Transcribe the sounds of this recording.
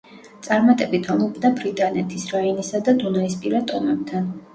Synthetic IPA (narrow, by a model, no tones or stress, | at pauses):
t̪sʼaɾmat̪ʼɛbit̪ʰɔmupd̪abɾit̪ʼanɛt̪ʰisɾainisad̪ad̪unaispʼiɾat̪ʼɔmɛb̚t̪ʰan